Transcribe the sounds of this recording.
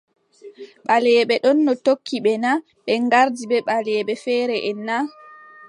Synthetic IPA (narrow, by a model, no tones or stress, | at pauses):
ɓalɛɓɛɗɔnːɔtokʰːiɓɛna | ɓɛŋɡaɾdibɛɓalɛɛɓɛfɛːɾɛʔɛnːa